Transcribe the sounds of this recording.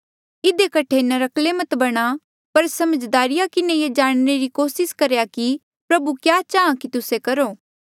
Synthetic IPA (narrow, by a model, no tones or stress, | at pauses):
ɪd̪ekɐʈʰenɐɾɐklemɐt̪bɐɽ̃a | pɐɾsɐməd͡ʒd̪aːɾɪjakɪnejed͡ʒaːɽ̃neɾikoːsɪskɐɾjaki | pɾɐbukjaːt͡ʃaːãkit̪ʊsekɐɾoː